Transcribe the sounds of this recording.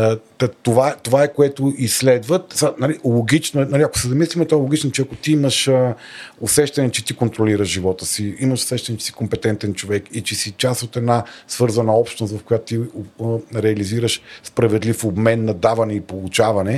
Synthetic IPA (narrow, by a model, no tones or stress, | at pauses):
ɐt̪ovat̪ovaɛkoɛt̪oislɛd̪vət̪sanalilˠoɡit͡ʃnoɛnɐliɐko̥sɛzɐmislimɛt̪ɔɛlˠoɡit͡ʃnot͡ʃɛɐkot̪iiməʃə | osɛʃt̪ɐnɛt͡ʃɛt̪ikont̪ɾoliɾəʒʒivɔt̪əsiiməʃo̥sɛʃt̪ɐnɛt͡ʃɛ̥si̥kompɛt̪ɛnt̪ɛnt͡ʃovɛkit͡ʃɛsit͡ʃasot̪ɛd̪nasvɤɾzɐnɐɔpʃt̪nst̪vɐfkojat̪ʊ̥t̪i | ɾɛɐliziɾəʃspɾɐvɛd̪lifobmɛnːɐd̪avɐnɛipolˠut͡ʃavɐnɛ